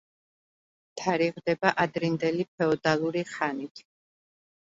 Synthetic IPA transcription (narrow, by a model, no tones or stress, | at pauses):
t̪ʰaɾiʁd̪ɛbaʔad̪ɾind̪ɛlip̚ʰɛɔd̪alˠuɾiχanit̪ʰ